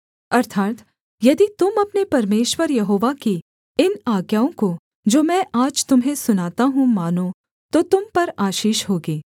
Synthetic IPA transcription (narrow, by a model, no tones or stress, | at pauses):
ɐɾt̪ʰaːt̪ | jɐd̪it̪ʊmɐpnepɐɾmeːʃwəɾjɐɦoːʋaki | ɪnaːɡjaːõko | d͡ʒoːmɛ̃ːʔaːd͡ʒt̪ʊmɦẽsʊnaːt̪aɦũmaːno | t̪ot̪ʊmpɐɾaːʃiːʃɦoːɡeː